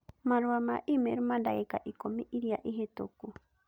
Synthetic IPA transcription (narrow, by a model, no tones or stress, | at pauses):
mãɾuamaʔimeɾumãndaekaʔikomiʔiɾiaʔiɦet̪o̰ku